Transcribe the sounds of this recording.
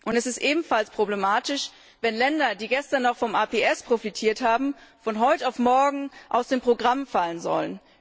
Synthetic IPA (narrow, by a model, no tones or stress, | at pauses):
ʔʊntɛsɪstʔeːbm̩falspʁ̥oblemaːtɪʃ | vɛnlɛndɐdiːɡɛstɐnːɔχfɔmʔaːpeʔɛspʁ̥ofitʰiːɐthaːbm̩fɔnɦɔʏtaʊfmɔɐɡŋ̩ʔa̰ʊsd̥eːmpʁ̥oɡʁamfalənzɔ̰lən